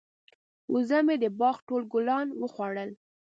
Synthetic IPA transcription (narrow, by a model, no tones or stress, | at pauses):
uzamed̪əbɑxʈolɡʊlɑnwəxwɑɽəl